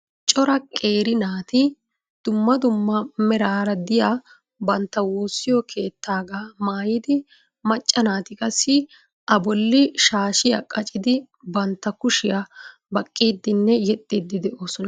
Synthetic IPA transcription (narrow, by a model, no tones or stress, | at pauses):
t͡ʃʼɔɾɐkʼe̞ːɾɪnaːt̪ɪ | d̪̥ʊmːɐd̪ʊmːɐmɛɾaːɾɐd̪ɪja | bɐnt̪ːɐwuːsːɪjɔkʰe̞ːt̪ːaːɡaːmaːjiːd̪ɪ | mɐt͡ʃʼːɐnaːt̪ɪkʼɐsːɪ | ʔɐbɔlːɪʃaːʃɪja̰kʼɐt͡ʃʼɪd̪ɪ | bɐnt̪ːɐkʊʃɪjɐ | bɐkʼːiːd̪ːɪnːɛjɛt̪ʼːid̪ːɪd̪ɛʔoːsɔnɐ